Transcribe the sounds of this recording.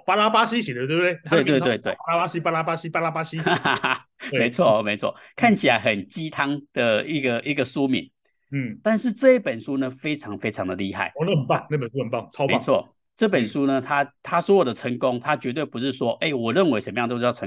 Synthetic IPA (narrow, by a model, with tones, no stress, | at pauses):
pa˦˥la˦pa˦ɕi˦ɕɛ˨˩d̪ə˦t̪we˥˩be˥˩we˥˧t̪we˥˧we˥˧ɪt̪we˥˩a˥la˦˥pa˥ɕi˦˥pa˥la˦pa˦ɕi˦pa˥la˦˥pa˦˥ɕi˦˥˧ | me˧˥ɪt͡sʰwɔ˥˩˨me˧˥ɪt͡sʰwɔ̰˥˨˩kʰa˥˩nt͡ɕʰi˨la˧˦ɪxə˨˩nt͡ɕi˥t̪ʰa˥ŋd̪̥ə˨i˥˩ɡə˨i˥˩ɡə˨su˦mḭ˨˩˦n̩˥˩ | t̪a˥˧nʂɻ̩˥˧ʈ͡ʂɤ˥˧i˥˩pə˨˩nʂu˦nə˧fe˥ɪʈ͡ʂʰɑ˧˥ŋfe˥ɪʈ͡ʂʰɑ˧˥ŋd̪ə˨li˥˧xa̰˥˩ɪɔ˧n˥˩xə˨˩npa˥˩ŋna˥˩pə˨n˩su˦hə˨˩npa˥˩ŋt͡sʰa˥˦ḛ˧˥˧t͡sʰwɔ̰˥˩ | ʈ͡ʂɤ˥˩pə˨˩nʂu˦nə˧t̪ʰa˦t̪ʰa˦swɔ˧˥wɔ˨˩d̪ə˦ʈ͡ʂʰə˧˦ŋko˦ŋt̪ʰa˦t͡ɕɥɛ˧˥t̪we˥˩ɪpu˧˦ʂɻ̩˥˩ʂwɔ˦ʔe˥˩ɪwɔ˨˩ɻə˥˨nwe˧˥ɪʂə˧˦mə˧jɑ˥˧ŋt͡ɕo˥˧˥jʰə˧